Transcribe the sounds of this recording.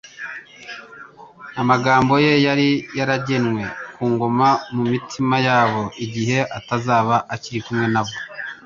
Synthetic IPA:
amaɡaːmbo̞je̞jaɾijaɾaɟe̞nŋwe̞kuːŋɡo̞mamumitʰimajaːβo̞ʔiɟiɦe̞ʔatazaːβaʔaciɾikumŋe̞naβo

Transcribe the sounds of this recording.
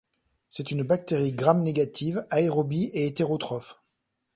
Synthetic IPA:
sɛt̪ynbak̚t̪eʁiɡʁamneɡat̪ʰivaeʁɔbieet̪eʁot̪χɔf

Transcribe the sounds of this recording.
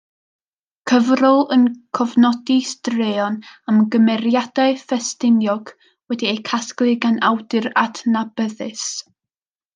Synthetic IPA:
kʰəvrʊlˠənkʰɔvnɔdistreːɔnamɡəmɛɾjad̥aɨfɛstɪnjɔɡ̥ | wɛdiejkʰasklˠɨɡanʔawdɨɾatʰnabəðɨs

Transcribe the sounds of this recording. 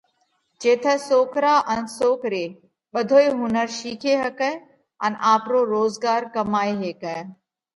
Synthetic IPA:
d͡ʒeːt̪ʰəsoːkʰɾaʔɐnsoːkʰɾeː | ɓɐd̪ʱoːeɦʊnəɾʃiːkʰeɦɐkə | ɐnʔaːpɾoːɾoːzɡaːɾkɐmaːeɦeːkə

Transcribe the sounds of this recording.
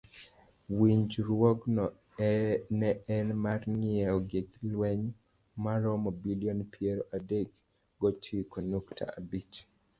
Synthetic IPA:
wiɲd͡ʒɾwɔɡnɔ | nɛɛnmarŋɪɛɔɡeklwɛɲ | maɾɔmɔbiliɔnpʰjɛɾʔadek | ɡɔtʰikonuktʰa̰a̰bit͡ʃ

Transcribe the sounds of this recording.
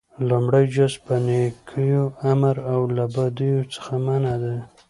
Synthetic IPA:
lumɽajd͡ʒaspanekʰəjoamaɾawlabad̪ujot͡sə̥xamanad̪a

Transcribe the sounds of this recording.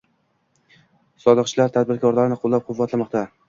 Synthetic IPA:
sɒd̪ɨqt͡ʃʰɪlaɾt̪ʰad̪̚bɪɾkʰɒɾlaɾɪnɪqʰolˠːap̚qʰʊvːat̪ʰlamɒqt̪ʰa

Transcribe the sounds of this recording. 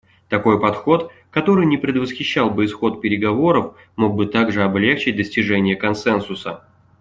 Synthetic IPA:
t̪ɐko̞jpɐt̪xo̞t̪ | kɐt̪o̞ɾɨjnʲɪpɾʲɪd̪vəsxʲɪɕːalˠbɨɪsxo̞t̪̚pʲɪɾʲɪɡɐvo̞ɾəf | mo̞ɡ̚bɨt̪aɡʐɨɐblʲe̞xt͡ɕɪt̚ʲd̪əsʲtʲɪʐɛnʲɪjəkɐnsɛnsʊsə

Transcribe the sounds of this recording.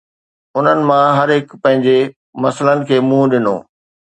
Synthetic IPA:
ʊn̤ənɪ̆mãɦɐɾɦɪkpɐ̃ɦɪ̃ɲd͡ʑe | mɐslənɪ̆kʰeːmũɗɪno̰ː

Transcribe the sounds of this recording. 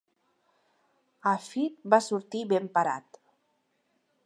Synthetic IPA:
afit̪̚basuɾt̪iβempaɾa̰t̪

